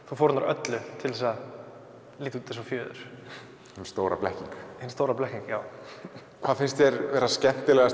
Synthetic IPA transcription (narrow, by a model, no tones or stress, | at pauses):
θufoːɾtnaɾʔœt̪lʏt̪ʰɪlðɛsa | liːt̪uːt̪ːɪsɔfjœːðʏ̰ɾ̥ | hɪnst̪owɾa̰plɛhciŋkhɪnst̪oːwɾaplɛhciŋkjaːw | kʰvaðfɪnst̪çɛɾvɛːɾascɛn̥t̪ɪlɛɣas